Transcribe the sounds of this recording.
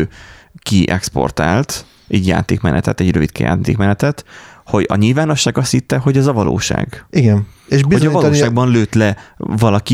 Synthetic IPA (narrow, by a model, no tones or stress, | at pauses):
kiʔɛkspo̞̰rt̪a̰ːlt̪ | ʔɛɟja̰ːt̪eːkmɛ̰nɛ̰t̪ɛt̪ɛɟrøvit̪kɛ̰ja̰ːt̪ḛːkmɛnɛt̪ɛt̪hoɟɒ̰ɲilvaːno̞ʃːaːɡɒsit̪ːɛɦo̞ɟɒzɒvɒlo̰ːʃa̰ːɡiɡɛneʃbihozɒvɲɒlːʃaːɡ̚bɒnløːt̪lɛvɒlɒki